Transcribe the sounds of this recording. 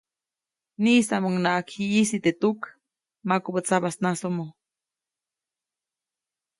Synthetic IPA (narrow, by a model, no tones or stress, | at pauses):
niːsamuŋnakiisit̪et̪uk | makubət͡saβasnasomo